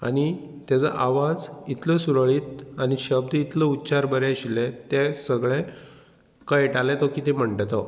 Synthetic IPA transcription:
a̰ñi | t̪jat͡sə̰ʔaʋad͡zit̪ləsuɾɭiːt̪̚añiɕəbd̪it̪ləutːt͡ɕaɾbəɾeɕilet̪esəɡɭe | kəjʈalet̪ɔkit̪ẽm̤əɳʈt̪ɔ

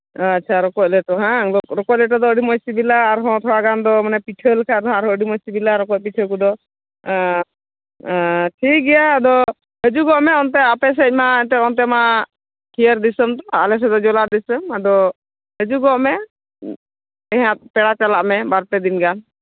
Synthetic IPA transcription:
at̚ːt͡ʃʰaɾɔkɔc̚lɛʈɔɦɛ̃ɔkɾɔkɔc̚lɛʈ̬ɔd̪ɔəɖimɔsibilaːɾɦɔ̃t̪ʰɔwaɡand̪ɔmanɛpiʈʰəlkʰad̪ɔɦaɾəɖimɔsibilaɾɔkɔc̚piʈʰək̬ud̪ɔ | ʈʰik̚ɡɛjaːd̪ɔ | həd͡ʒuɡɔʔmɛɔnt̪̬ɛapɛs̬ɛc̚maɛnt̪ɛɾɔnt̪̬ɛma | kʰijəɾd̪isəmt̪ɔa̰lɛs̬ɛd̪ɔd͡ʒɔlaɾd̪isəmad̪ɔ | həd͡ʒuɡɔʔmɛ | ɛɦãt̪̚pɛɽat͡ʃalaʔmɛbaɾp̪ɛd̪inɡan

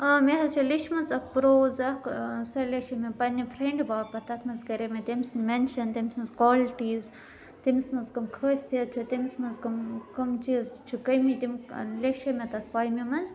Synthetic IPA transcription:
ɐmeɦɐzt͡ʃʰiliʃmɐnzɐk̚pɾoːzɐksɐlʲeʃɐmʲipɐnʲipʰɾeɳɖbaːpɐt̪ɐt̪ʰmɐnzkɐɾemʲet̪imsnmenʃɐnt̪imsmɐnzkwaːlʈiːz | t̪imsmɐnzkɐmkʰəːsjɐt͡ʃʰut̪imsmɐnzkɐmkɐmt͡ʃizt͡ʃʰukɐjmit̪imleʃɐmʲɐt̪ɐt̪̚ʰpaːjmimɐnz

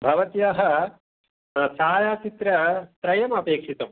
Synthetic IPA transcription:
bʱɐʋɐt̪jaɦɐ | saːjaːt͡ʃit̪ɾɐt̪ɾɐjɐmɐpeːkʂit̪ɐm

